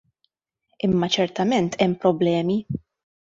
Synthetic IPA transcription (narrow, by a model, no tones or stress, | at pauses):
ɪmːɐt͡ʃɛɾt̪ɐmɛnt̪ʰɛmːpɾɔblɛːmi